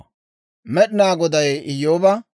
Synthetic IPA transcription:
mɛɗɪnaːɡɔd̪ɐjɪjːoːbɐ

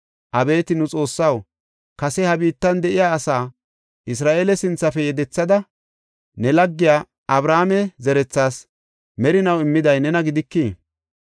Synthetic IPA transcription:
ʔɐbe̞ːt̪ɪnʊt͡sʼo̞ːsːɐw | kɐsɛhɐbiːt̪ːɐnd̪ɛʔɪjaːsaː | ʔɪs̬ɾaːʔeːlɛsɪnt͡sːɐfɛjɛd̪ɛt͡sːɐd̪ɐ | nɛlɐɡːɪjaː | ɐbɾaːmɛzɛɾɛt͡sːaːs | mɛɾɪnɐwɪmːɪd̪ɐjnɛnɐɡɪd̪ɪkːiː

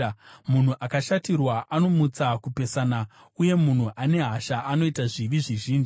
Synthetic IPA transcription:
mun̤uʔakaʃatirwaʔano̞mut͡sakupe̞saːna | uje̞mun̤uʔane̞ɦaʃaʔano̞itaʐiʋiʐiʒiːnʐi

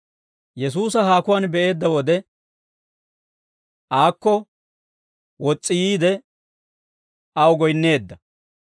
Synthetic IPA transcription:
jɛs̬uːs̬ɐɦaːkʊwaːnbɛʔe̞ːd̪ːɐwɔd̪ɛ | ʔaːkːɔ | wɔt͡sʼːɪjiːd̪ɛ | ɐwɡɔjnːe̞ːd̪ːɐ

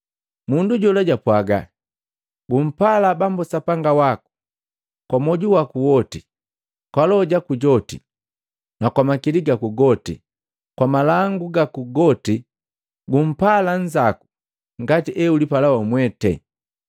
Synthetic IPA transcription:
munduɟɔlaɟapwaɡa̰ | ɡum̩palabambɔsapaŋɡawaku̥ | kwamɔɟuwakuwɔti | kwalɔɟakuɟɔtḭ | nakwamakiliɡakuɡɔtḭ | kwamalaŋɡuɡakuɡɔti | ɡum̩paland͡ʒaku̥ | ŋɡatiʔɛulipalawamwɛtɛ̰

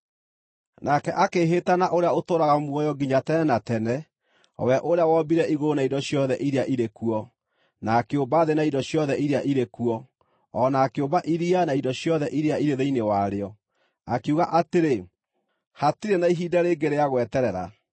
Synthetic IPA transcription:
nakɛʔakeɦetanaʔoɾeaotoːɾaɣamwɔjɔɡiɲatɛnɛnatɛnɛ | ɔ̰wɛʔoɾeawɔbiɾɛiɣoonaindɔɕjɔðɛʔiɾeaʔiɾekuɔ | nakeombaːðenaindɔɕjɔðɛʔiɾeaʔiɾekuɔː | naːkeombaʔiɾianaidɔɕjɔðɛʔiɾeaiɾeðeinewaɾeɔ | akeuɣaʔateɾe | hatiɾenaiɦiːdaɾeɡeɾeaɣwɛtɛɾɛɾa̰

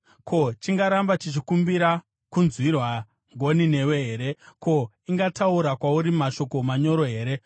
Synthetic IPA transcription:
kʰo̞t͡ʃiŋɡaɾambat͡ʃit͡ʃikumbiɾa | kunzwirwa | ŋɡʱo̞nine̞we̞ɦeːɾe̞ko̞ | iŋɡatauɾakwauɾimaʃo̞ko̞maɲo̞ɾo̞ɦe̞ːɾe̞

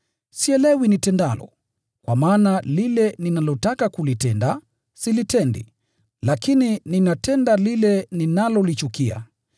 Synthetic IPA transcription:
siɛlɛwinitɛndalɔ̰ | kwamaːnalilɛninalɔtakakulitɛnda | silitɛndḭ | lakinininatɛndalilɛninalɔlit͡ʃukia̰

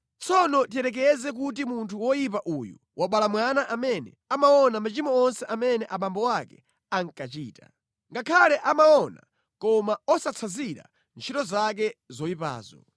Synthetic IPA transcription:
t͡sʰɔnɔtiɛɾɛk̬ɛzɛk̬utimuntʰuwɔjip̬aʔuju | wʔaɓalamwanaʔamɛnɛ̰ | amaɔnamat͡ʃimɔɔnsɛʔamɛnɛʔaɓambɔwakɛ | aŋ̩kat͡ʃiːta̰ | ŋɡakʰalɛʔamaɔna̰ | kɔmaɔsat͡sʰaziɾa̰ | nt͡ʃʰitɔzak̬ɛzɔjipa̰ːzɔ̰

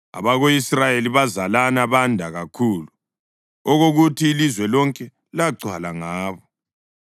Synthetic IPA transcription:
a̰βaɣoisrajeliβazalanaβandʱaɣakʰuːlu | ɔɣoɣutʰiːlizwɛlɔŋkʼɛ | laǀwalaŋaːβɔ

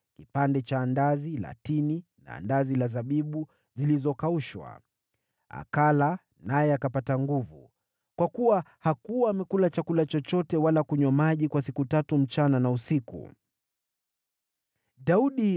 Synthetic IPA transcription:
kipandɛt͡ʃaːndazila̰tinina̰ːndazilazaɓiɓu | zilizɔkauʃwa̰ | a̰kala | najɛakapataŋɡuvṵ | kwakuwahakuwaːmɛkulat͡ʃakulat͡ʃɔt͡ʃɔtɛwalakuɲwamaʄikwasikutatum̩t͡ʃananausikṵ | ɗauɗi

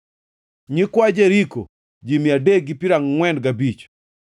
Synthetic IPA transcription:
ɲɪkwad͡ʒeɾiko̰ | d͡ʒimjadeɡipiɾaŋŋwɛndɡabit͡ʃ

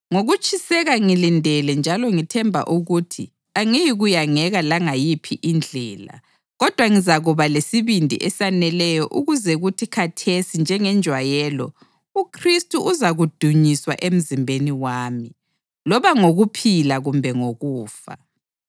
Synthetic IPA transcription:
ŋoɣut͡ʃʰʼisɛɣaŋilindʱɛlɛnd͡ʒʱalɔŋitʰɛmbʱa̰ʔuɣutʰḭ | aŋijiɣujaŋɛɣalaŋajipʰḭʔind͡ɮʱɛːla̰ | ɣɔd̥ʱwaŋizaɣuβalesiβindʱḭʔɛsanɛlɛjɔʔuɣuzɛɣutʰikʰatʰesind͡ʒʱɛŋɛnd͡ʒʱwajɛlɔ | ukʰristʼuʔuzaɣud̥ʱuɲiswa̰ʔem̩zimbʱeniwaːmi | lɔβaŋoɣupʰilaɣumbʱɛŋoɣuːfa̰

